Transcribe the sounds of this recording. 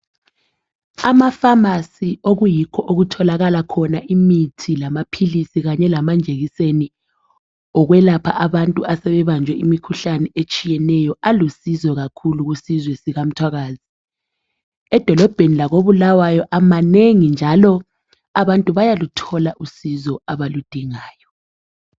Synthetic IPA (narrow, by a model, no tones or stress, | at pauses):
amafamasioɣujikʰɔʔoɣutʰɔlaɣalakʰɔnaʔimitʰilamapʰilisiɣaɲɛlamand͡ʒʱeɣiseni | ɔɣwɛlapʰaʔaβantʼuasɛβɛβand͡ʒʱwɛimikʰuɬanɛet͡ʃʼijɛnɛjɔalusizɔɣakʰuluɣusizwɛsiɣam̩tʰwaɣaːzi | ɛd̥ʱɔlɔb̥ʱenilaɣoβulawajɔʔamaneŋind͡ʒʱalɔ | aβantʼuβajalutʰɔlaʔusizɔaβalud̥ʱiŋaːjɔ